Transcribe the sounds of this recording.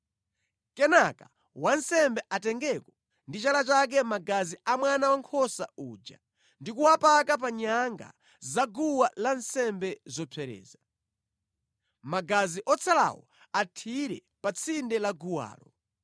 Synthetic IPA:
kɛnaka | wansɛmbɛʔatɛŋɡɛkɔ | ndit͡ʃalat͡ʃak̬ɛmaɡaziamwanawaŋkʰɔsauːd͡ʒa̰ | ndikuwapakap̬aɲaŋɡa̰ | zaɡuwalansɛmbɛzɔpʰɛɾɛ̰ːza | maɡaziʔɔt͡sʰala̰wɔ̰ | atʰiɾɛ | pat͡sʰindɛlaɡuwa̰ːlɔ

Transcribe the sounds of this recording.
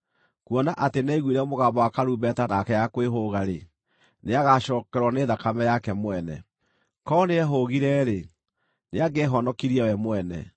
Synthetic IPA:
kuɔnaʔatenaiɣweɾɛomoɣaːmbɔwakaɾubɛtanakɛjakweɦoɣaɾe | neaɣaɕɔːkɛɾwɔneðakamɛjakɛmwɛnɛ̰ | kɔneɛɦoɣiɾɛɾe | neaɡeːɦɔnɔkiɾiawɛmwɛnɛ̰

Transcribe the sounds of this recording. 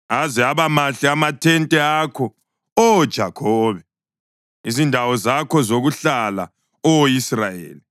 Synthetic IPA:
azɛaβamaɬɛamatʰɛntʼɛakʰɔ | ɔd̥ʒ̥ʱakʰɔːβɛ | izindʱawɔzakʰɔzoɣuɬala̰ | ɔwisrajḛːli

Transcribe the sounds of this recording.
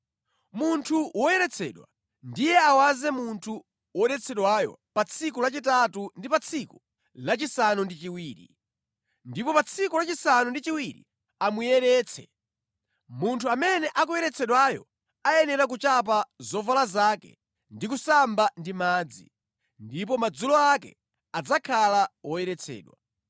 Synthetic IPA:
muntʰuwɔjɛɾɛt͡sʰɛːɗwa̰ | ndijɛawazɛmuntʰu | wɔɗɛt͡sʰɛɗwajɔ̰pat͡sʰik̬ulat͡ʃitatundipat͡sʰiku | lat͡ʃisanundit͡ʃiwiːɾḭ | ndipɔpat͡sʰikulat͡ʃisanundit͡ʃiwiɾḭ | amujɛɾɛːt͡sʰɛ̰ | muntʰuamɛnɛʔakujɛɾɛt͡sʰɛɗwajɔ̰ | ajɛnɛɾak̬ut͡ʃap̬azɔvalazakɛ̰ | ndik̬usambandimaːd͡zḭ | ndip̬ɔmad͡zulɔakɛ̰ | ad͡zakʰalawɔjɛɾɛt͡sʰɛ̰ːɗwa̰

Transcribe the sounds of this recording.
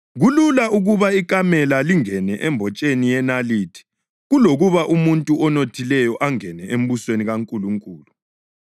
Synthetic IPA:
ɣululaʔuɣuβaikʼamɛlaliŋɛnɛʔɛmbʱɔt͡ʃʼenijɛnalitʰi̥ | ɣuloɣuβaʔumuntʼuɔnotʰilɛjɔʔaŋɛnɛʔem̩busweniɣaŋkʼuluŋkʼuːlu

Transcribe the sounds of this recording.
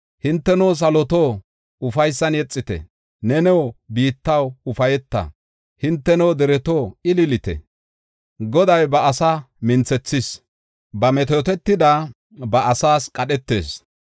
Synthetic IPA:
hɪnt̪ːɛnoːs̬ɐlɔt̪oː | ʊfɐjsːɐnjɛt͡sʼːɪt̪ɛ̰ | nɛnɛwbiːt̪ːɐwʊfɐjɛt̪ːɐ̰ | hɪnt̪ːɛnɛwd̪ɛɾɛt̪oːɪlɪlɪt̪ɛ̰ | ɡɔd̪ɐjbɐɐsɐ | mɪnt͡sɛt͡sːɪs | bɐmɛt̪̬oːt̪ɛt̪ːɪd̪ɐ | bɐʔɐsaːskʼɐɗɛt̪ːe̞̰ːs

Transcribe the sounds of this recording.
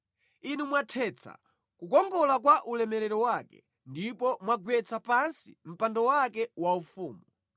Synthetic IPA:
inumwatʰɛt͡sʰa̰ | kukɔŋɡɔlak̬waʔulɛmɛɾɛɾɔwakɛ̰ | ndipɔmwaɡwɛt͡sapansḭm̩pandɔwakɛwaufuːmu

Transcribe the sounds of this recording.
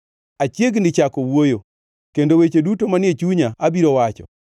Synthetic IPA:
at͡ʃjeɡnɪt͡ʃakowojo | kendowet͡ʃedutomanɪet͡ʃuɲaabiɾowat͡ʃɔ̰

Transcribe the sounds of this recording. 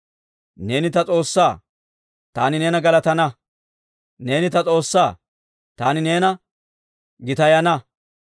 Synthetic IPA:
ne̞ːnɪt̪ɐt͡sʼo̞ːsːaː | t̪aːnɪne̞ːnɐɡɐlɐt̪ɐnɐ | ne̞ːnɪt̪ɐt͡sʼo̞ːsːaː | t̪aːnɪne̞ːnɐ | ɡɪt̪ɐjɐnɐ

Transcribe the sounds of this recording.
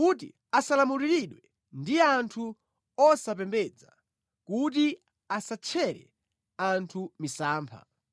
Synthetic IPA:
kut̬ḭ | asalamuɾiɾiɗwɛ | ndiantʰu | ɔsapɛmbɛd͡za | kut̬i | asat͡ʃʰɛɾɛ̰ | antʰumisaːmpʰa̰

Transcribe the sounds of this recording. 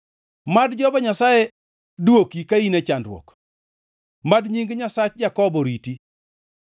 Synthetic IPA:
madd͡ʒɔbɔɲasaje | dwokikainet͡ʃandɾwɔ̰k | madɲiŋɡɲasat͡ʃd͡ʒakɔbɔɾiti

